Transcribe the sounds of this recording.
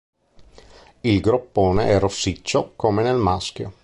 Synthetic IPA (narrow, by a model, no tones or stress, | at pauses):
ilɡɾopːoːneʔɛrosːit͡ʃːokomenelmask̟jo̰